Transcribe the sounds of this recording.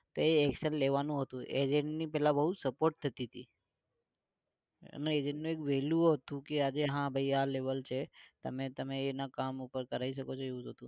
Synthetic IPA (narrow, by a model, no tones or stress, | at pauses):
t̪oeɛkʃənleʋanũɦət̪ũʔḛd͡ʒeɳʈnipɛɦlabəɦusəpoɾʈ̚t̪ʰət̪iət̪ḭ | ə̰neːd͡ʒeɳʈnũekʋeljuoɦət̪ũkead͡ʒeɦãbʱəialeʋəlt͡ʃʰet̪əmet̪əmeːnakamupəɾkəɾaiʃəkot͡ʃʰoeũt̪ət̪ũ